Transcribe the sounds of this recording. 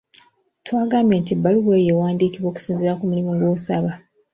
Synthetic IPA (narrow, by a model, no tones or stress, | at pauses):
twaːɡaːmbjeːntibaluβweːjewaːndiːkiβo̞ːku̥siːnzeɾakumulimuɡwoːsaβa